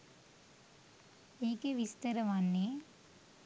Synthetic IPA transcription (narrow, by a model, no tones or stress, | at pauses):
iːkeʋist̪ɐɾɐʋaːnːi